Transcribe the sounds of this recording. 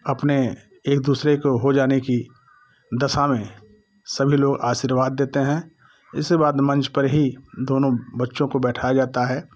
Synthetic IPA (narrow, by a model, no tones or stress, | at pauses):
ɐpne | eːk̚d̪uːsɾekoɦod͡ʒaːneki | d̪ɐʃamẽ | sɐbʱiloːɡaːʃiːɾʋaːd̪ːeːt̪eɦɛ̃ | ɪsːebaːd̪mɐ̃nt͡ʃpəɾɦid̪oːnõbɐtːʃõkobɛːʈʰaad͡ʒaːt̪aɦɛː